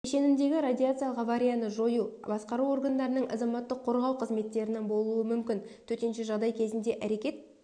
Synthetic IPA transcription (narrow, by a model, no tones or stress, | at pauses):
eʃe̞nɪmd̪e̞ɡʲɪɾad̪ʲijat̪sɨijalˠəqavaɾʲijanəʒo̞jubɑsqɑɾuo̞rɡand̪ɑɾənəɴʔɑ̰zɑmɑt̪ːəqʰːo̞ɾʁɑwqʰəzme̞t̪ːe̞ɾɪnebo̞lˠuəmʏmkʲɪnt̪ʰɵt̪e̞nʃeʒɑʁd̪ɑjkʲʰe̞zɪnd̪e̞ʔæɾe̞kʲe̞t̪̚